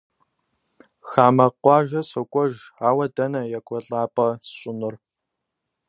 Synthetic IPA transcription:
xaːmɐqʷɑːʒɐsɐkʷʼɔʒaːwɐdɐnɐjɛkʷʼɔɬʼaːpʼɐsɕʼʊnɨr

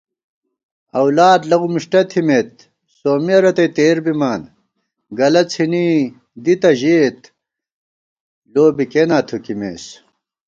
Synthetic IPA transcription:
ɐwlaːd̪lɐɣumiʂʈɐt̪ʰimeːt̪̚ | soːmiɐɾɐt̪ɐjt̪eːɾbimaːn | ɡɐlɐt͡sʰini | d̪it̪ɐʑeːt̪ | loːbikenaːt̪ʰukimḛːs

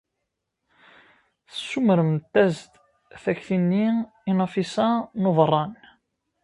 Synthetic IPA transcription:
θəsːuməɾəmt̪ːæzt̪ | θæçθinːi | inɑfisænovrˤːɑn

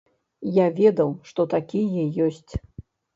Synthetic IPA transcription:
javʲɛd̪ɐwʂt̪ɔt̪akʲijɛjɔsʲt͡sʲ

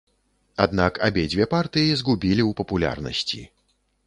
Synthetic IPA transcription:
ad̪nakabʲed͡zʲvʲɛpart̪ɨjizɡubʲilʲiwpɐpulʲa̰rnɐ̰sʲt͡sʲḭ

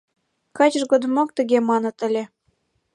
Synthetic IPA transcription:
kɑt͡ɕə̆ʒɡod̪ɤ̆mɑk̚t̪ə̆ɣemɑnɤ̆t̪ə̆lʲĕ

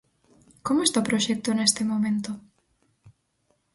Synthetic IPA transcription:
komoest̪apɾoʃɛk̚t̪onest̪emomẽnt̪o

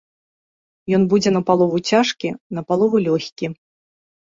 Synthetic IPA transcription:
jɔnbud͡zʲɛnɐpalˠɔvut͡sʲaʂkʲinɐpalˠɔvulʲɔxʲkʲi

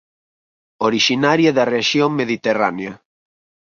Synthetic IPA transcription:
oɾiʃinaɾjaðɐreaʃjoŋmeðit̪era̰neɐ

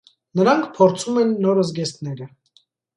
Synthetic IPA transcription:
nəɾɑŋkʰpʰɔɾt͡sʰumɛnːɔɾəzɡɛst̪nɛɾə

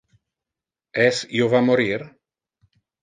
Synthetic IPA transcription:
ɛsjovamoɾiɾ

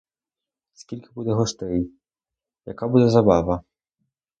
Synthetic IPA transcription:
skʲilʲkʲɪ̥bud̪ɛɦɔʂt̪ɛj | jɐ̰kabud̪ɛzabavɐ

